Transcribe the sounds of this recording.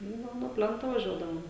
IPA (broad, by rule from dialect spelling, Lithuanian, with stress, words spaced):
ˈnʊ ˈnʊ nuɔ ˈpʲlʲɛntoː ʋɐˈʒʲuɔdɐʋoːm